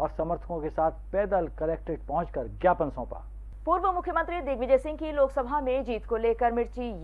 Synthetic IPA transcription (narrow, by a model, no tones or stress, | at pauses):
ɔːɾsɐməɾt̪ʰəkõkesaːt̪ʰpɛːd̪əlkɐleːk̚ʈeɖ̚pɐɦʊ̃t͡ʃkəɾɡjaːpənsɔ̃ːpa̰ː | puːɾʋəmʊkʰjəmə̃nt̪ɾid̪ɪɡʋɪd͡ʒeːsɪ̃ŋɡkiloːksɐbʱamẽd͡ʒiːt̪koleːkəɾmɪɽt͡ʃij